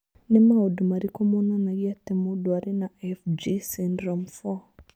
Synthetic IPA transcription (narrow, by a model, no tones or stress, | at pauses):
nɪmaɔdumaɾikɔmonanaɡiatɛmʊduaɾɪnaɛfd͡ʒisɪndɾɔmfɔ